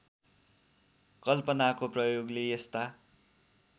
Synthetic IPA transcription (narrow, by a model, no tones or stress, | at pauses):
kʌlpʌnakoprʌjoɡlejest̪a